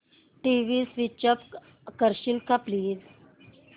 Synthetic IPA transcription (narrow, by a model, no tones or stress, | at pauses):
ʈiʋiːsʋit͡ɕəp | kəɾɕilkapliːz